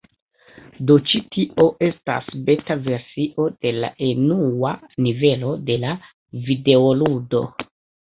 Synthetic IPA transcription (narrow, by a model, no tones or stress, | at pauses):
do̞t͡ʃitiʔo̞ʔe̞sta̰sbe̞tave̞ɾsiʔo̞d̥e̞la̰ʔe̞nuwanive̞lo̞de̞la | vide̞oludo̞̰